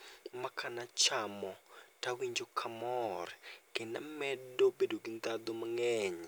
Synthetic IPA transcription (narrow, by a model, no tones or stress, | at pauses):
makʰanat͡ʃamɔtawiɲd͡ʒokʰamɔrɡɪnamɛdobedoɡind̪ad̪omaŋɛɲ